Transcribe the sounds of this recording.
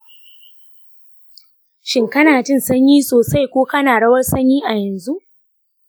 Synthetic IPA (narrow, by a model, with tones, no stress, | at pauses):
ʃɪ˦ŋkɐ˦naː˨tɪ˦˨nsɐ˦ɲjiː˦soː˨sa˦jkʷoː˦kɐ˦naː˨ɽɐ˦wɐ˦rsɐ˦ɲjiː˦ʔa˨jɐ˨nzu˦ʔ